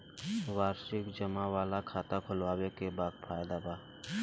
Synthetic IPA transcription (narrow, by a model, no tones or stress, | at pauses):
waːɾʃɪkd͡ʒəmaʋaːlakʰaːt̪akʰʊlwaːwekebaːd̪fʰaːjd̪abaː